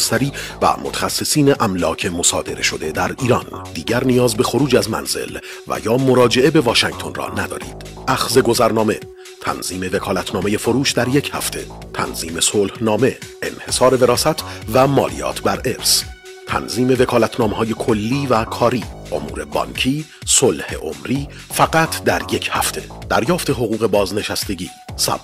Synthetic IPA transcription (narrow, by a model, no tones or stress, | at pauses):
st̪æɾiːvæ̰mot̪ʰæ̥xæsːe̞siːneʔæmlɒːcʰe̞mo̞sɒːd̪e̞ɾe̞ʃo̞d̪e̞d̪æɾiːɾɒnd̪iːɟæɾnijɒːzbe̞xo̞ɾuːd͡ʒæzmæ̰nz̥e̞̰l | væ̰jɒːmo̞ɾɒːd͡ʒe̞ʔe̞be̞vɒːʃæŋɡt̪ʰo̞nrɒ̰ːnæd̪ɒ̰ːɾḭːd̪̥ | ʔæxze̞ɡo̞zæɾnɒːme̞ | t̪ʰæ̰nz̥iːme̞ve̞kʰɒːlæt̪ʰnɒːme̞je̞fo̞ɾuːʃd̪æɾje̞cʰhæ̰ft̪ʰe̞̰ | t̪ʰæ̰nz̥iːme̞solhnɒːme̞ʔḛnhe̞sɒːɾe̞ve̞ɾɒːsæt̪ʰvæmɒ̰ːlḭjɒ̰ːt̪ʰbæɾe̞ɾs | t̪ʰæ̰nziːme̞ve̞kʰɒːlæt̪ʰnɒːmeɦɒːje̞kʰolːiːvækʰɒːɾiːʔo̞̰mṵːɾe̞bɒ̰ŋcʰiː | solhḛʔo̰mɾiː | fæɡæt̪ʰd̪æɾje̞cʰhæft̪ʰe̞d̪̥æɾjɒːft̪e̞ɦo̞ɣuːɣe̞bɒːzne̞ʃæst̪eɟiːsæ̰b